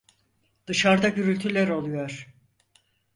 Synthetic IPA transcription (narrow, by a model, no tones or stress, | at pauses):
d̪̥ɯʃaɾd̪aɟyɾylʲt̪ʰylʲæɾo̞lˠujo̞ɾ̥